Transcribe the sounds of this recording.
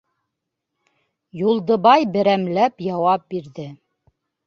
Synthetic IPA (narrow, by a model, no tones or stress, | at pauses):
julˠd̪ɤ̆βɑjbɘ̆ɾæmlæpjɑwɑp̚biɾðɘ